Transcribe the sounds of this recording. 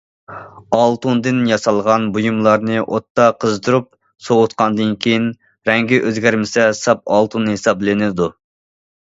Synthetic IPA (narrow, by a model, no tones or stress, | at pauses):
ɑlˠt̪und̪ɨnjɑsɑlˠʁɑnbujumlˠɑɾnɨʔot̪ːɑqʰəzd̪uɾup̚ | sowʊt̪qʰɑnd̪ɨnkʲʰejin | ɾɛŋɡʲiʔøzɡʲæɾmɪsɛsɑp̚ɑlˠt̪unːɨhesɑblɪnɪd̪u